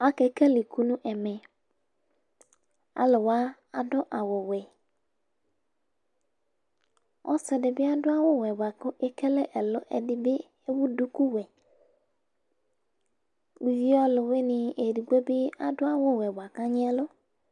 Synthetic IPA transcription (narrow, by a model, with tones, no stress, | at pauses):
a˦kɛ˨kɛ˦li˨ku˦nũ˦ʔɛ˨mɛ˨ | a̰˨lʊ˨wa˦ | a˨dʊ˦ʔa˨wʊ˨wɛ˨ | ɔ̰˦sɛ˨dɪ˨bɪ˦a˦dʊ˦a˦wʊ˦wɛ˨ba˨kʊ˦ʔe˦kɛ˦lɛ˦ʔɛ˨lʊ˦ʔɛ˨dɪ˦bɪ˦ | e˦wu˦du˦ku˦wɛ˨ | i˨vi˦ɔ˦lʊ˨we˦nɪ˨e˨ɾi˨ɡe˦bɪ˦a̰˨dʊ˦a˦wʊ˦wɛ˨bʷa˨ka˦ɲɪ˦ɛ˦lʊ˦